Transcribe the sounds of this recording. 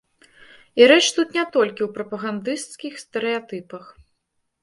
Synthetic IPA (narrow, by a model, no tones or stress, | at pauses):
iɾɛt͡ʂt̪ut̪nʲɛt̪ɔlʲkʲiwpɾɐpɐɣand̪ɨst̪skʲixst̪ɛɾɨjat̪ɨpɐx